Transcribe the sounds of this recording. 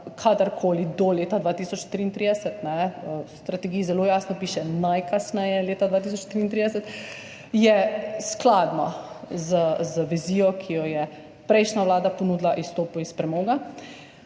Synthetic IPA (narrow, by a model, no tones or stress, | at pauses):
kʰaːd̪əɾkʰoːlid̪ɔleːt̪ad̪ʋaːt̪iːsɔt͡ʃt̪ɾiːnt̪ɾiːd̪ɛsɛt̪nɛst̪ɾat̪ɛɡiːzɛloːjaːsnɔpiːʃɛnajkasnɛjɛleːt̪ad̪ʋaːt̪iːsɔt͡ʃt̪ɾiːnt̪ɾiːd̪ɛsɛt̪ | jɛsklaːd̪nɔ̰ | zəzəʋiziːjɔkʰijɔjɛ | pɾɛɪʃnaʋlaːd̪apɔnuːd̪laʔist̪oːpuispɾɛmɔːɡa